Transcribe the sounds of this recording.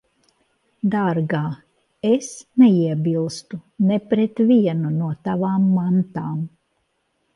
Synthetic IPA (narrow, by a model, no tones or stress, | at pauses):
d̪aɾɡaː | esnɛiɛbilˠst̪unɛpɾɛt̪vʲiɛnunuɔt̪avaːmːant̪aːm